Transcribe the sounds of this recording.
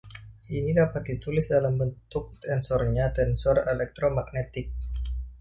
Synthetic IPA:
ʔinidapat̪̚dit̪ulɪsdalambənt̪ʊk̚t̪ɛnsɔrɲat̪ɛnsɔrelɛk̚t̪ɾomak̚net̪ɪk̚

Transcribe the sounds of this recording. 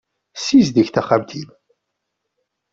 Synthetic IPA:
sizd̪əçθæχæmt̪ʰim

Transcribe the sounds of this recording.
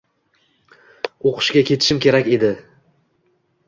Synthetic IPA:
oqʰɨ̥ʃkʲakʲʰe̞t̪ʰɪ̥ʃɪmkʲʰe̞ɾakʲe̞d̪ɪ

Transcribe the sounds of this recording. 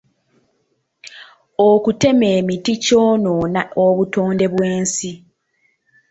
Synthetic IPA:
okute̞me̞ːmitico̞nonaoβuto̞ːnde̞βwe̞ːnsi

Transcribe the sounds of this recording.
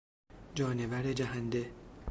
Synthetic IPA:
d͡ʒɒːnevæɾed͡ʒæɦænd̪e

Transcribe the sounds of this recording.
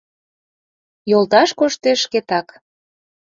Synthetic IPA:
jolˠt̪ɑʃkoʃt̪eʃket̪ɑk

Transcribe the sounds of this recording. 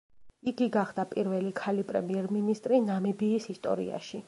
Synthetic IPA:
iɡiɡaχd̪̥apʼiɾvɛlikʰalipʼɾɛ̰miɛɾminist̪ʼɾinamɛbiːsist̪ʼɔ̰ɾḭa̰ʃi

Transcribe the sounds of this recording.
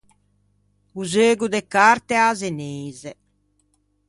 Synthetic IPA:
uzeːɡud̪ɛkaɾt̪eazeneːzɛ

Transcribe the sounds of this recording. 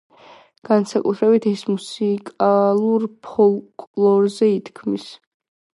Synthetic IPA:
ɡ̥ansakʼut̪ʰɾɛbit̪ʰɛsmusikʼalˠuɾpʰɔlˠkʼlˠɔɾzɛit̪ʰkʰmis

